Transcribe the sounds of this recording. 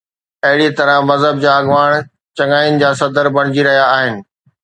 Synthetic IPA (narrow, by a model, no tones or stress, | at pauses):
ɐɦɪɽit̪ɐɾə̃mɐzɦəb̚d͡ʑaːɐɡʋaːɽ̃ | t͡ɕɐ̃ŋɡaːjʊnɪ̆d͡ʑaːsɐd̪əɾbɐɽ̃ɪd͡ʑiɾɐɦijaːɦɪnɪ̆